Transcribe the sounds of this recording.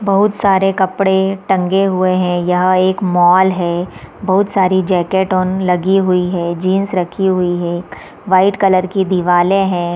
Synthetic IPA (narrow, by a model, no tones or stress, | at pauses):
bɐɦʊt̪saːɾekɐpɽeʈɐ̃ŋɡeɦʊeɦɛ̃jɐɦeːkmɔːlɦɛːbɐɦʊt̪saːɾid͡ʒɛːkeːʈɔːnlɐɡiɦʊiɦɛːd͡ʒiːnsɾɐkʰiɦʊiɦɛ̃ː | ʋaːɪʈkɐləɾkid̪ɪʋaːlẽɦɛ̃ː